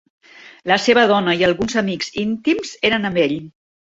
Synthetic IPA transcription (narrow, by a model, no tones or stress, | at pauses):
ləseβəð̞ɔnəiəlˠɣunzəmikzint̪imz̥eɾənəmbeʎ